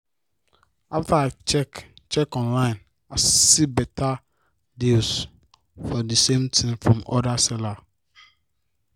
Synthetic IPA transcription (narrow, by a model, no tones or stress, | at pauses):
aftʰaat͡ʃɛkt͡ʃʰɛkɔ̃nlãɪ̃n | asibɛtʰa | dils | fɔdəsẽmtʰĩmfɹɔ̃mɔdasɛla